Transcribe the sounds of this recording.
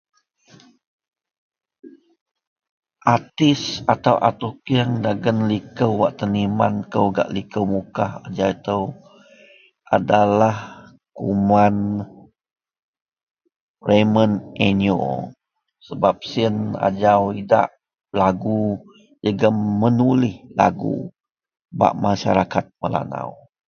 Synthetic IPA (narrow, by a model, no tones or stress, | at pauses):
ʔat̪ɪsat̪awʔa̰t̪ukiəŋdaɡənlikəwːaʔt̪ənimankəwɡa̰ʔlikəwmukaha̰d͡ʒawit̪əw | ʔa̰dalah | kuman | reməneno̰ | səbap̚siəna̰d͡ʒawida̰ʔ | laɡu | d͡ʒəɡamənulɪhla̰ɡṵ | ba̰ʔmaʃaɾakat̪̚məla̰na̰w